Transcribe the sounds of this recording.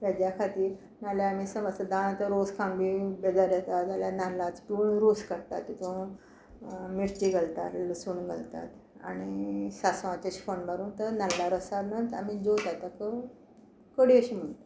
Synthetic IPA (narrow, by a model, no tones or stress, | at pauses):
t̪ad͡ʑjakʰat̪iːɾ | naljaːmisəməsad̪añãt̪əɾoskʰãmbibed͡zaɾjɛt̪ad͡zaljananlːat͡spuːɳɾoskəɽt̪a̰t̪ːit̪õ | miɾt͡ɕiɡəlt̪a̰t̪ləsuːɳɡʱəlt̪a̰t̪a̰ɽ̃isasʋãt͡ɕaɕi̥fonbaɾuːnt̪əɾnalːaɾəsabnat̪a̰mid͡zot̪at̪akə | kəɽiəɕim̤əɳt̪a